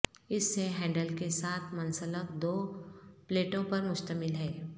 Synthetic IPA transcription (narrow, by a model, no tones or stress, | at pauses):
ɪsːeɦɛ̃ːɳɖəlkesaːt̪ʰmɐnsələkd̪oːpleːʈõpɐɾmʊʃt̪əmɪlɦɛː